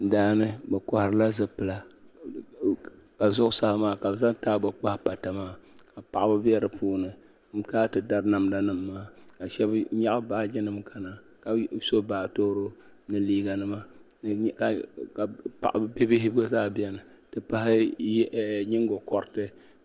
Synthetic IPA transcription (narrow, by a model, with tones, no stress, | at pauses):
daː˦nɨ˦bɛ˨kɔ˨hɾɨ˦la˦zɨ˦pɨ˨la˨ | ka˨zʊ˦ʔʊ˦sa˦hmaː˦ka˨bza˦ŋtaː˦bɨ˨k͡pa˦hpa˨ta˨maː˦˨ka˨pa˨ʔa˦bɨ˦bɛ˦ɾɨ˨puː˦nɨ˨ | m̩˨˦kaː˦tɨ˨da˦ɾɨ˦na˨mda˨nɨ˦mːaː˦ka˨ʃɛ˦bɲa˦ʔa˦ba˦d͡ʒɛ˦nɨ˦m˦kʰa˨na˨ | ka˨so˦baː˨to˦ɾo˦ | nɨ˨liː˦ɡa˨nɨ˦ma˦˨ | ka˨a˨pa̰˨ʔa˨bbe˦bɪ˦hɪ˦bɡo˦zaː˦bi˦ɛ˦nɨ˨ | tɨ˨pa˦hɪ˦˨ | ɲɪ˦ŋɡo˨kɔ˨ɾɨ˨tɨ˦